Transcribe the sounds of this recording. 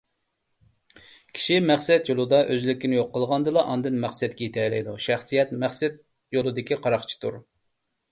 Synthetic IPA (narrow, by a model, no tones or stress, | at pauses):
kʲʰi̥ʃimæχsɛt̪jolˠɨd̪ɑʔøzlɪkʲːinɪjoqːəlˠʁɑnd̪ɨlˠɑʔɑnd̪ɨnmæχsɛt̪̚kʲɛjit̪ʰɛlɛjd̪uʃæχsijɛt̪mæχsɛt̪̚ | jolˠɨd̪ɪkʲiqʰɑɾɑχt͡ʃʰi̥t̪ʰuɾ